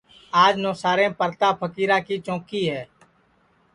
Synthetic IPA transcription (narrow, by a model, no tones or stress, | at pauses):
aːd͡ʒnoːsaːɾẽːpəɾt̪aːpʰəkiːɾaːkiːt͡ʃõːkiːɦɛː